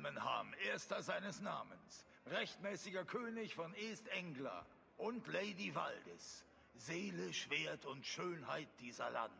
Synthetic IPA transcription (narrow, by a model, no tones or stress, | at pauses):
mənha̰ːmʔeːɐstɐzaɪnəsnaːməns | ʁɛçtmɛːsɪɡɐkʰøːnɪçfɔneːstʔɛŋɡlɐ̰ | ʔʊntleɪdiva̰ldɛ̰s | z̥eːləʃv̥eːɐtʊntʃøːnhaɪt̚d̥iːzɐ̰la̰nd